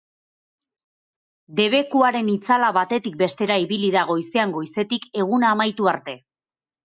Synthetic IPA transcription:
d̪e̞β̞e̞kuaɾe̞nit͡salaβat̪e̞t̪ik̚be̞st̪e̞ɾaiβiliðaɣ̞o̞jseaŋɡo̞jse̞t̪ike̞ɣ̞unaːmajt̪uaɾt̪e̞

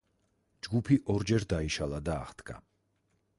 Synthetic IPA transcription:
d͡ʒɡupʰiʔɔɾd͡ʒɛɾd̪aiʃalˠad̪a̰ːχd̪̥ɡa̰

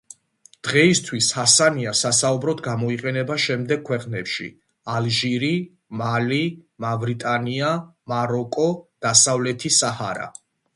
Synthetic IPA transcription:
d̪̥ʁɛist̪ʰwishasaniasasaubɾɔd̪ɡamɔiqʼɛnɛbaʃɛmd̪ɛɡ̚kʰːwɛqʼnɛpʃḭ | alʒiɾi | malimavɾit̪ʼaniamaɾɔkʼɔd̪̥asavlɛt̪ʰisahaɾa̰

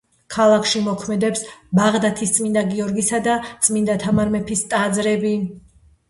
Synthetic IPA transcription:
kʰalˠakʰʃimɔkʰmɛd̪ɛpsbaʁd̪at̪ʰist̪sʼmind̪aɡiɔɾɡisad̪at̪sʼmind̪at̪ʰamaɾmɛpʰist̪ʼad̪zɾɛbi

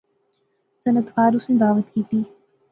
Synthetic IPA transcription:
sɐnət̪ʋaːɾusə̃nd̪aːʋət̪kiːt̪iː

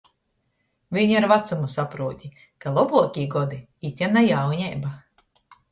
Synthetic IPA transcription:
viɲiɾvat̪sumusapɾuɔt̪ʲi | kalˠɔbuɔkʲiːɡɔd̪i | it̪ʲjɛnajawɲɛjba

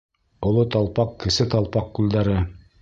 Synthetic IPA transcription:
ŏlˠot̪ɑlˠpɑqkɘ̆sɘt̪ɑlˠpɑqkʉld̪æɾɘ

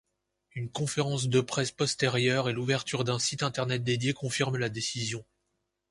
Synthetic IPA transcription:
ynkɔ̃feʁɑ̃s̬d̪əpχɛspɔst̪eʁjœʁeluvɛʁt̪ʰyʁd̪ɛ̃sit̪ɛ̃t̪ɛʁnɛt̪̚d̪ed̪jekɔ̃fiʁmlad̪esizjɔ̃

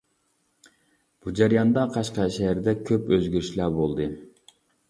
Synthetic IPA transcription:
b̥ud͡ʒæɾijɑnd̪ɑqʰɑʃqɑʃɛæɾd̪ɛkʲʰøpøzɡʲyɾyʃlæɾbolˠd̪ɨ

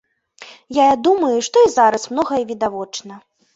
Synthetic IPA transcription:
jajad̪umɐjuʂt̪ɔizaɾɐsmnɔɣɐjivʲid̪avɔt͡ʂnɐ

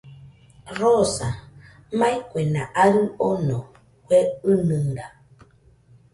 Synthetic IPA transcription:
ɾɔsa | majkwɛnaʔaɾɯɔnɔ | kwɛɯnɨŋɡa

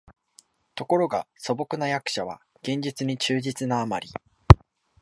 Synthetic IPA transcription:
t̪o̞ko̞ɾo̞ɡaso̞bo̞kɯ̟najakɯ̟̥ɕaβa̰ | ɡ̥ẽ̞ɲ̟d͡ʑit͡sɨɲ̟it͡ɕɨːd͡ʑit͡sɨnaːmaɾʲi

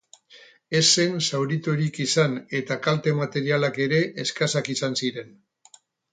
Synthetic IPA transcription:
e̞se̞nsawɾit̪oɾikisane̞t̪akalt̪e̞mat̪e̞ɾialake̞ɾe̞ʔːskasakisansiɾe̞n

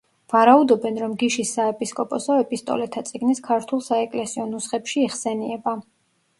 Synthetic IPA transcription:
vaɾaud̪ɔbɛnɾɔmɡiʃisːaɛpʼiskʼɔpʼɔsɔɛpʼist̪ʼɔ̰lɛt̪ʰat̪sʼiɡniskʰaɾt̪ʰwulˠsaɛkʼlɛsiɔnusχɛpʃiːχsɛniɛba

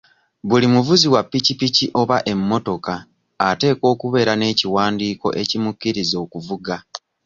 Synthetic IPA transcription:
βulimuvuziwapːicipiciʔo̞βaʔe̞mːo̞to̞kaː | te̞ːko̞ːkuβe̞ːɾane̞ːciwaːndiːko̞̰ʔe̞cimukːiɾizo̞ːkuvuɡa

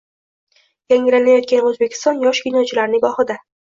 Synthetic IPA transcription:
j̥aŋʲɪlanajɒt̪̚kʲanɵzbe̞kʲɪ̥st̪ɒnjɒʃkʲinɒt͡ʃʰɪlaɾnɪɡɒχɪd̪a

